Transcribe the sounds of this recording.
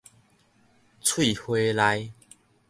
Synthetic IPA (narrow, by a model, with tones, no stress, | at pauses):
t͡sʰwi˥˨hwe˧la˧j